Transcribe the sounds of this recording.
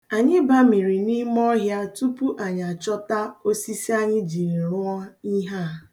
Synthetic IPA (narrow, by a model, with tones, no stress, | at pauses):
a˨ɲɪ˦ba˦mi˨ɾi˨ni˦m˦ɔ˦ɦja˦tu˦pu˦ʔa˨ɲa˨t͡ʃɔ˦ta˦o˦si˦si˦a˦ɲɪ˦d͡ʒi˨e˨ɾʊ˦ɔ˦i˦ɦa˦˨